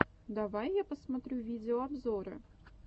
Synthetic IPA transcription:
d̪ɐvajːapəsmɐt̪ɾʲuvʲid͡zʲɪoɐbzoɾə̰

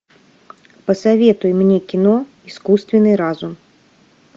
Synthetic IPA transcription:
pɐsavʲɛt̪ujmnʲɛkʲinɔ | iskust̪vʲɛnɨɾazum

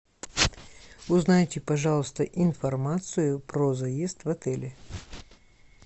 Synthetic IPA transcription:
ʊznajtʲɪpɐʐalˠəst̪əʔɪnfɐrmat̪sɨjʊpɾozɐjest̪vɐt̪ɛlʲɪ

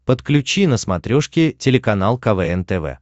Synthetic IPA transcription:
pət̪klʲʉt͡ɕinəsmɐt̪ɾʲoʂkʲɪtʲɪlʲɪkɐnalˠkɐvɛɛnt̪ɛvɛ̰

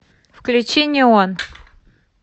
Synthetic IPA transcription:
fklʲʉt͡ɕenʲɪəon

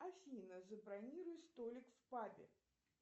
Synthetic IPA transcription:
afʲinɐzɐbɾanʲiɾujɛst̪ɔlʲikfpabʲɛ̰

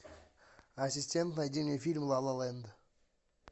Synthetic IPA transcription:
asʲisʲtʲe̞nt̪najd̪ʲinʲefʲilʲmlˠɑlˠɑlˠɑjənd̪ə

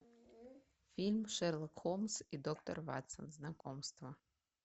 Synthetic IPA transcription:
fʲilʲmʃɛrlˠɔkxɔmsid̪ɔkt̪ɔrʋɑ̰t̪sɐ̰nznakɔmst̪ʋɐ

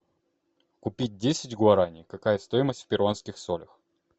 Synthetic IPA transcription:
kʊpʲit̚ʲdʲesʲɪtʲɡʊɐɾanʲɪjkɐkajəst̪o̞jɪməsʲtʲfʲpʲɪɾonskʲɪxsolʲəx

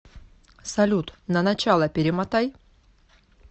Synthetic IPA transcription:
sɐlʲut̪nənɐt͡ɕalˠəpʲɪɾʲɪmat̪aj

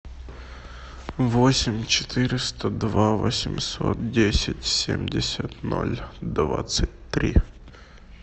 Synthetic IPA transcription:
vosʲɪmʲt͡ɕɪ̥t̪ʰɨɾʲɪst̪əd̪vavosʲɪmʲso̰t̪̚dʲesʲɪtʲsʲemʲdʲɪsʲət̪no̰lʲd̪vat̪sɨt̚ʲt̪ɾʲi

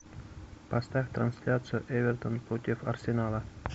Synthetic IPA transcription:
pɐst̪afʲt̪ransʲlʲat̪sɨjʊʔɛvʲert̪ənpɾot̪ʲɪfɐ̰rsʲenalˠə

